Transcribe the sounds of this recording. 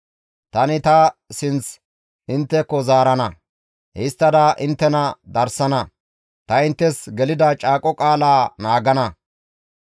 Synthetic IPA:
t̪ɐnɪt̪ɐsɪnt͡s | ɪnt̪ːɛkːɔzaːɾɐnɐ | hɪst̪ːɐd̪ɐʔɪnt̪ːɛnɐd̪ɐɾsɐnɐ | t̪ɐɪnt̪ːɛsɡɛlɪd̪ɐt͡ʃʼaːkʼɔkʼaːlaːnaːɡɐnɐ

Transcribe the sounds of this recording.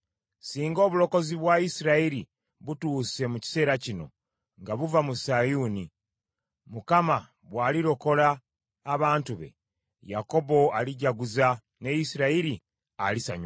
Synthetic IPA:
siːŋɡo̞ːβulo̞ko̞ziβwaisiɾaiɾi | βutuːse̞muci̥se̞ːɾacino̞̰ | ŋɡaβuvamusajuːni | mukama | βwaːliɾo̞ko̞laː | βaːntuβe̞̰ | jako̞bo̞aliɟaɡuza | ne̞jisiɾaiɾi | alisa̰ɲ

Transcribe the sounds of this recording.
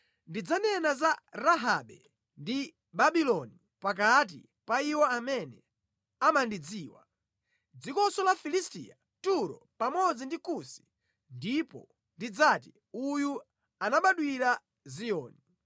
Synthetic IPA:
ndid͡zanɛnazaɾaɦaɓɛ | ndi | ɓaɓilɔni | pak̬at̬ḭ | paiwɔamɛnɛ | amandid͡ziːwa̰ | d͡zikɔsɔlafilistḭːa | tuɾɔ̰ | pamɔd͡zindikusi̥ | ndipɔ̰ | ndid͡zati | uju | anaɓaɗwiɾa | zijɔ̰ːni

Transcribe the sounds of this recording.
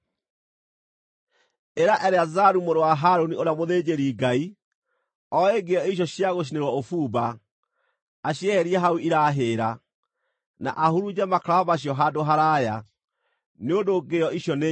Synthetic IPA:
eɾaʔɛɾeazaɾumoɾowaɦaɾonioɾeamoðed͡ʑeɾiɡai | ɔeɡeɔiɕ̬ɔɕjaɣoɕ̬ineɾwaofuba | ɕjɛɛɾiɛɦauʔiɾaɦeːɾa | na̰ʔahuɾud͡ʑɛmakɾaβaɕ̬jɔɦadoɦaɾaja | neondoɡeɔiɕjɔne

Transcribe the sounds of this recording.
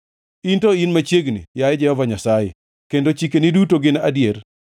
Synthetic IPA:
intoinmat͡ʃjeɡnḭjaɛd͡ʒɛhɔvaɲasajḛ | kendot͡ʃikenidutoɡɪnadjeɾ

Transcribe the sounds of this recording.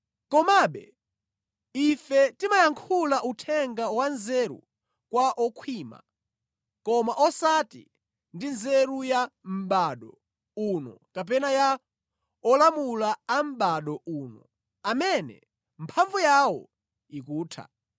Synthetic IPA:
kɔmaɓɛ̰ | ifɛtimajaŋkʰulaʔutʰɛŋɡawanzɛɾṵ | kwaʔɔkʰwiːma̰ | kɔmaʔɔsatḭ | ndinzɛɾujam̩ɓaɗɔ | unɔ̰kap̬ɛnaja | ɔlamulaam̩ɓaɗɔʔuːnɔ̰ | amɛnɛ̰ | mpʰaɱvujawɔ̰ | ik̬uːtʰa̰

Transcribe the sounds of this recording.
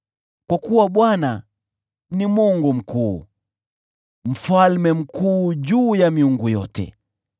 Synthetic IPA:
kwakuwaɓwana | nimwɔŋɡum̩kuː | m̩falmɛm̩kuːʄuːjamiuŋɡujɔtɛ̰

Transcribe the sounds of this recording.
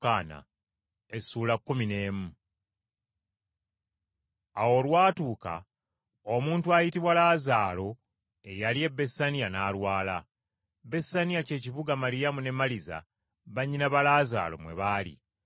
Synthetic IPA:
aːna̰ | e̞suːlakːumine̞ːmu | awo̞lwaːtuːka̰ | omuːntuajitiβwalaːzaːlo̞ | e̞jalie̞bːe̞sanijanaːlwaːla | be̞sanijace̞ːciβuɡamalijamune̞mːaliza̰ | βaɲːinaβalaːza̰ːlo̞̰mwe̞̰βalḭ

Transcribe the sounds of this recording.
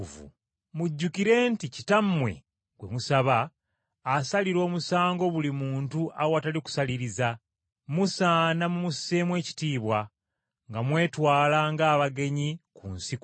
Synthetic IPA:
vṵ | muɟːukiɾe̞ːnticitammːwe̞̰ | ɡ̥we̞̰musaβaː | saliɾo̞ːmusaːŋɡo̞βulimuːntuʔa̰woataliku̥saliɾiza | musanamumuse̞mwe̞ːci̥tiːβwa | ŋɡamwe̞ːtwaːlaːŋɡaːβaɡe̞ɲikṵnsik

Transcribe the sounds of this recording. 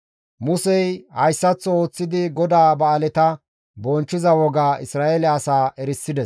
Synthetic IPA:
mʊsɛjhɐjsːɐt͡sːɔo̞ːt͡sːɪd̪ɪɡɔd̪aːbɐːlɛt̪ɐ | bɔnt͡ʃːɪzɐwɔɡaːʔɪsɾaːʔelɛɐsaːʔɛɾɪsːɪd̪ɛs

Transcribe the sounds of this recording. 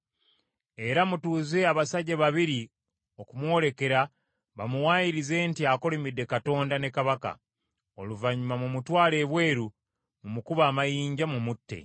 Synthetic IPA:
e̞ɾamutuːze̞aβasaɟeβaβiɾi | o̞kumwo̞le̞ke̞ɾa | βamuwaːjiɾize̞ːntiako̞lemidːe̞kato̞ːndane̞kaβaka̰ | o̞̰luvaɲumamumutwaːle̞ːβwe̞ːɾu | mumukuβaːmajiːɲɟamumutːe̞̰

